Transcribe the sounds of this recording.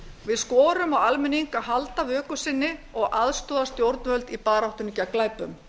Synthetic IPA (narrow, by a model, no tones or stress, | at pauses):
vɪðskɔːɾʏmaɣalmɪniŋkaɦalt̪avœːkʏsɪnːɪɔɣʔaðst̪ɔːðast̪jowɾt̪nhœlt̪ipaːɾawht̪ʏnʏcaklaːjpʏm